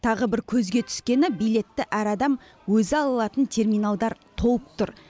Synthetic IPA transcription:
t̪ʰɑʁəbɪɾkʲʰɵzɡʲe̞t̪ʰʏ̥skʲe̞nɪbijle̞t̪ːɪʔæɾɑd̪ɑm | wɵzɪɑlˠəlˠɑt̪ənt̪ʰe̞rmijnalˠd̪ɑɾt̪ʰo̞wəp̚t̪ʰʊɾ

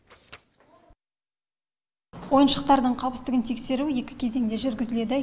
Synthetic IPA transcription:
wo̞jənʃəq̚t̪ɑɾd̪əɴqʰɑwˠpɪst̪ɪɡɪnt̪ʰe̞kse̞ɾuje̞kʲɪ̥kʲʰe̞ze̞ŋd̪e̞ʒʏɾɡʲɪzɪle̞d̪ɪ

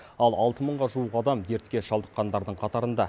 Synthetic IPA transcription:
ɑlˠɑlˠt̪əməɴʁɑʒuwəqɑd̪ɑmd̪e̞ɾt̪kʲe̞ʃɑlˠd̪əqːɑnd̪ɑɾd̪əɴqʰɑt̪ɑɾənd̪ɑ

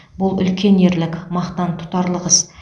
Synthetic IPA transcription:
bʊlˠʏ̰lkʲe̞neɾlɪkʲmɑχt̪ɑnt̪ʰʊ̥t̪ɑɾlˠəʁəz

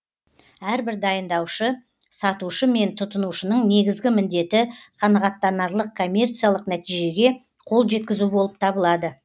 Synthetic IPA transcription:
æɾbɪɾd̪ɑjənd̪ɑwʃə | sɑt̪uʃəme̞nt̪ʰʊt̪ənuʃənəɴne̞ɡʲɪzɡʲɪmɪnd̪e̞t̪ɪqʰɑnɑʁɑt̪ːɑnɑɾlˠəq̚kʰo̞mʲːe̞rt̪sijalˠəqnæt̪ijʒe̞ɡʲe̞ | qʰo̞lˠʒe̞t̪̚kʲɪzubo̞lˠəp̚t̪ʰɑbəlˠɑd̪ə

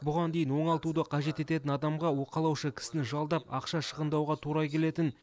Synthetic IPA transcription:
bʊʁɑnd̪e̞jɪnwo̞ɴɑlˠt̪ud̪əqʰɑʒe̞t̪e̞t̪e̞t̪ɪnɑd̪ɑmʁɑwo̞qɑlˠɑwʃəkʲʰɪ̥sɪnɪʒɑlˠd̪ɑpɑqʃɑʃəʁənd̪ɑwʁɑt̪ʰuɾɑkʲʰe̞le̞t̪ɪn

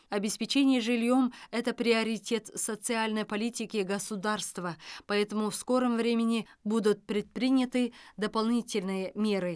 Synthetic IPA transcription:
ɐbʲɪspʲɪt͡ɕenʲɪjəʐɨlʲjo̞mɛt̪əpɾʲɪɐɾʲɪtʲe̞t̪sət̪sɨalʲnəjpɐlʲitʲɪkʲɪɡəsʊd̪arst̪vəpɐɛt̪əmʊfsko̞ɾəmvɾʲemʲɪnʲɪbud̪ʊt̪̚pɾʲɪt̪̚pɾʲɪnʲət̪ɨd̪əpɐlˠnʲitʲɪlʲnɨjəmʲe̞ɾɨ

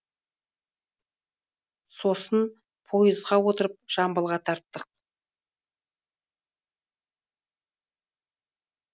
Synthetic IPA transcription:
so̞sən | pʰo̞jəzʁɑwo̞t̪əɾəp̚ʒ̥ɑmbəlˠʁɑt̪ʰɑɾt̪ːəq̚

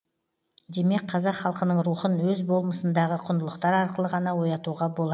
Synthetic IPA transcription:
d̪e̞me̞k̚ʲqʰɑzɑqχɑlˠqənəɴɾuχənwɵzbo̞lˠməsənd̪ɑʁəqʰʊnd̪əlˠəqt̪ɑɾɑɾqəlˠəʁɑnɑwo̞jɑt̪uʁɑbolˠɑ

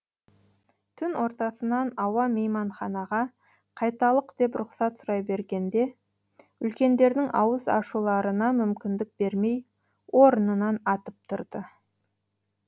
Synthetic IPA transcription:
t̪ʰʏnwo̞ɾt̪ɑsənɑnɑwɑmejmɑɴχɑnɑʁɑ | qʰɑjt̪ɑlˠəqd̪e̞pɾʊqsɑt̪sʊɾɑjbe̞ɾɡʲe̞nd̪e̞ | ʏlkʲe̞nd̪e̞ɾd̪ɪŋɑ̰wəzɑ̰ʃulˠɑɾənɑmʏmkʲɪnd̪ɪk̚be̞ɾme̞j | wʔo̞ɾənənɑnɑt̪əp̚t̪ʰʊɾd̪ə

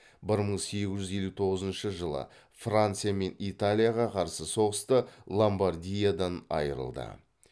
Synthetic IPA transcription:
bɪɾməɴse̞ɡʲɪzʒʏze̞lʲːut̪ʰo̞ʁəzənʃəʒəlˠə̰ | frant̪sɨjame̞nit̪alʲˠijaʁɑqʰɑɾsəso̞ʁəst̪əlˠombardʲijad̪ɑnɑ̰jəɾə̰lˠd̪ə̰

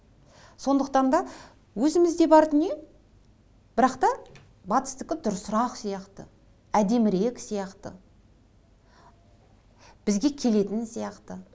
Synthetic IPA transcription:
so̞nd̪əq̚t̪ɑnd̪ɑ | wɵzɪmɪzd̪e̞bɑɾd̪əne̞ | b̥ɪɾɑqt̪ɑ | bɑt̪ə̥st̪əkʲɪd̪ʊɾsʊɾɑqsijɑqt̪ə̰ | æd̪e̞mɪɾe̞ksijɑqt̪ə̰ | b̥ɪzɡʲe̞kʲʰe̞le̞t̪ɪnsijɑqt̪ə

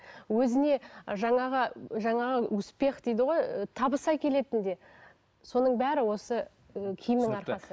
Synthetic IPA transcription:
wɵzɪne̞ʒɑɴɑʁəʒɑɴɑʁəɵspe̞χd̪ejd̪ɪʁo̞jət̪ʰɑbəsɑjkʲʰe̞le̞t̪ɪnd̪e̞ | so̞nəɴbæɾɪwo̞sə | kʲʰɪjɪmɪŋɑɾq̪ɑsə

